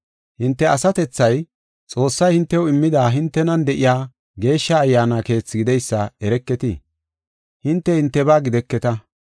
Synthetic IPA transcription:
hɪnt̪ːɛɐsɐt̪ɛt͡sːɐj | t͡sʼo̞ːsːɐjhɪnt̪ːɛwɔɪmːɪd̪aːɦɪnt̪ːɛnɐnd̪ɛʔɪjaː | ɡe̞ːʃːɐːjːaːnake̞ːt͡sːɪɡɪd̪ɛjsːɐɛɾɛkːɛt̪ɪ̰ | hɪnt̪ːɛhɪnt̪ːɛbaːɡɪd̪ɛkːɛt̪ɐ

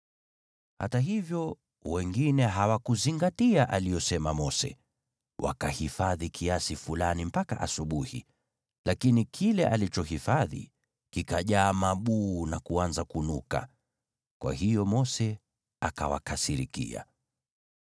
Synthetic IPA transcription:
ha̰taɦivjɔ | wɛŋɡinɛɦawakuziŋɡatiaʔalijɔsɛmamɔsɛ̰ | wʔa̰kahifaðikʰiasifulanim̩pakaʔasuɓuhḭ | lʔakinikʰilɛʔalit͡ʃɔhifaðḭ | kikaʄaːmaɓuːnakuanzakunuka̰ | kwa̰hijɔmɔsɛ | akawa̰kasiɾḭkḭa̰

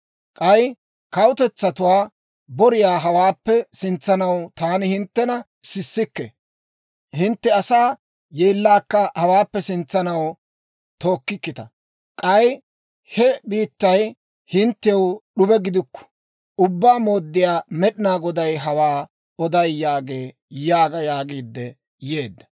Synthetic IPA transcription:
kʼɐj | kɐwʊt̪ɛt͡sːɐt̪ʊwaː | bɔɾɪjaːɦɐwaːpːɛsɪnt͡sːɐnɐwt̪aːnɪhɪnt̪ːɛnɐ | sɪsːɪkːɛ̰ | hɪnt̪ːɛɐsaː | jeːlːaːkːɐhɐwaːpːɛsɪnt͡sːɐnɐw | t̪o̞ːkːɪkːɪt̪ɐ̰ | kʼɐj | hɛbiːt̪ːɐj | hɪnt̪ːɛjɔwɗʊbɛɡɪd̪ɪkːɔ̥ | ʊbːaːmo̞ːd̪ːɪjaːmɛɗɪnaːɡɔd̪ɐjɦɐwaː | ɔd̪ɐjːaːɡe̞ː | jaːɡɐjaːɡiːd̪ːɛ | jeːd̪ːɐ

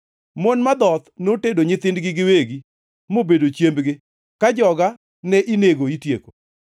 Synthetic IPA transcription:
monmad̪ɔt̪notedoɲɪt̪ɪndɡɪɡɪweɡi | mobedot͡ʃjembɡɪ | kad͡ʒɔɡa | nɛʔineɡoitjeko

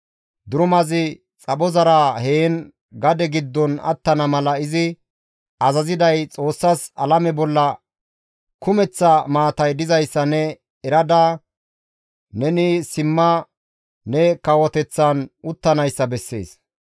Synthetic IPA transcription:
d̪ʊɾʊmɐzɪ | t͡sʼɐɓɔzɐɾaheːn | ɡɐd̪ɛɡɪd̪ːɔnɐ̰t̪ːɐnɐmɐlɐɪzɪ | ɐzɐzɪd̪ɐjt͡sʼo̞ːsːɐsɐlɐmɛbɔlːɐ | kʊmɛt͡sːɐmaːt̪ɐjd̪ɪzɐjsːɐnɛ | ɛɾɐd̪a | nɛnɪsɪmːɐː | ɛkɐwɔt̪ɛt͡sːɐnʊt̪ːɐnɐjsːɐbɛsːe̞̰ːs

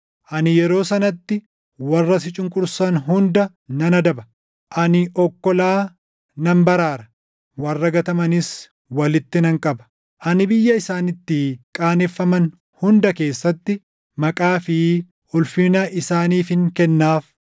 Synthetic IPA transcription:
ʔɐnɪjɛɾo̞ːsɐnɐt̪ːɪ | wɐrːɐsɪt͡ʃʼɪŋkʼʊɾsɐnɦʊnd̪ɐ | nɐnɐd̪ɐbɐ | ʔɐnɪʔɔkːɔlaː | nɐmbɐɾaːɾɐ̥ | wɐrːɐɡɐt̪ɐmɐnɪs | wɐlɪt̪ːɪnɐŋkʼɐbɐ̥ | ʔɐnɪbɪjːɐɪsaːnɪt̪ːɪkʼaːnɛfːɐmɐn | hʊnd̪ɐke̞ːsːɐt̪ːɪ | mɐkʼaːfɪ | ʔʊlfɪnɐʔɪsaːniːfɪŋkɛnːaːf

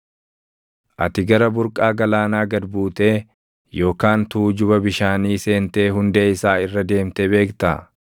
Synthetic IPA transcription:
ʔɐ̰t̪ɪɡɐɾɐbʊɾkʼaːɡɐlaːnaːɡɐd̪buːt̪e̞ː | jo̞ːkaːnt̪uːd͡ʒʊbɐbɪʃaːniːse̞ːnt̪e̞ːɦʊnd̪eːɪsaːɪrːɐd̪e̞ːmt̪ebe̞ːkt̪ɐ̰

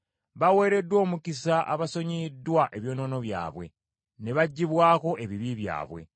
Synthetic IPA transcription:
βawe̞ːɾe̞dːwo̞ːmukisaʔa̰βaso̞ɲidːwaʔe̞βjo̞ːno̞ːno̞βja̰ːβwe̞̰ | ne̞βaɟːiβwaːko̞ʔe̞βiβiβja̰ːβwe̞̰

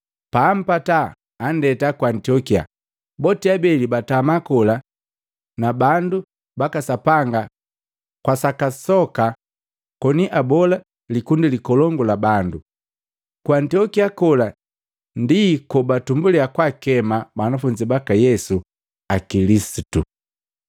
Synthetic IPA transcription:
paːm̩pataː | ndɛtakwantiɔkia̰ | bɔtiabɛlibatamakɔla | nabandu | bakasapaŋɡa | kwasakasɔka | kɔniʔabɔla | likundilikɔlɔŋɡɔlabandu | kwantiɔkiakɔla | ndikɔbatumbuliakwakɛmabanafuɲd͡ʒibakajɛsu | akilisitṵ

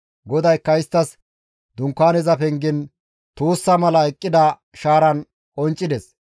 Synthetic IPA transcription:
ɡɔd̪ɐjkːɐɪst̪ːɐs | d̪ʊŋkːaːnɛzɐpɛŋɡɪn | t̪uːsːɐmɐlɐɛkʼːɪd̪ɐ | ʃaːɾɐn | kʼɔnt͡ʃʼːɪd̪ɛs

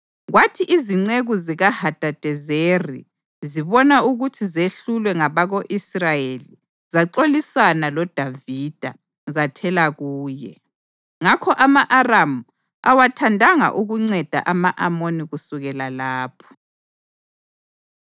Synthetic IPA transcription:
ɣwatʰiʔiziŋ͡ǀeɣuziɣahad̥ʼʱad̥ʱɛzeri | ziβɔnauɣutʰizeɬulwɛŋaβaɣoʔisrajeli | zaǀolisanalɔd̥ʱavid̥ʱa | zatʰɛlaɣuːjɛ̰ | ŋakʰɔʔamaʔaramu | a̰watʰandʱaŋa̰ʔuɣuŋ͡ǀɛd̥ʱa̰ʔamaʔamoniɣusuɣɛlalaːpʰɔ̥

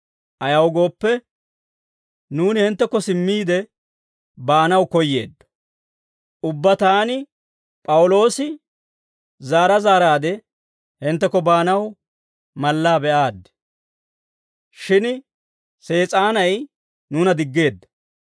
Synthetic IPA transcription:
ʔɐjɐwɡo̞ːpːɛ | nuːnɪhɪnt̪ːɛkːɔsɪmːiːd̪ɛ | baːnɐwkɔjːe̞̰ːd̪ːɐ̥ | ʊbːɐt̪aːnɪ | pʼɐwʊlo̞ːsɪ | zaːɾɐzaːɾaːd̪ɛ | hɪnt̪ːɛkːɔbaːnɐw | mɐlːaːbɛʔaːd̪ːɛ̥ | ʃɪn | se̞ːt͡sʼaːnɐj | nuːnɐd̪ɪɡːe̞ːd̪ːɐ̥

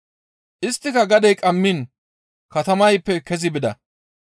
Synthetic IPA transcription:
ʔɪst̪ːɪkɐɡɐd̪ɛjkʼɐmːin | kɐt̪ɐmɐjpːɛkɛzɪbɪd̪ɐ̰

